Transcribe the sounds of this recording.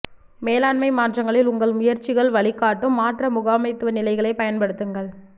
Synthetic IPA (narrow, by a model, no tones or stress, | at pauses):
meːlaːɳmɐɪmaːʈrɐŋɡɐɭɪlʊŋɡɐɭmʊjɐɾt͡ʃɪɣɐɭʋɐɭɪkːaːʈːɯmːaːʈrɐmʊɣaːmɐɪt̪ːɯʋɐnɪlɐɪɣɐɭɐɪpɐjɐnpɐɽɯt̪ːɯŋɡɐɭ